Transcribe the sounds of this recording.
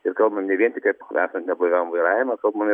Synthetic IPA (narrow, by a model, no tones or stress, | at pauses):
ɪrkɐlˠbmɐmnʲɛʋʲiɛnʲt̪ʲɪkɐpæ̰ːsɐnt̪ʲnʲɛblˠɐɪʋʲɛʊmʋɐɪɾɑːjʲɪmɐkɐlˠbmɐmɪ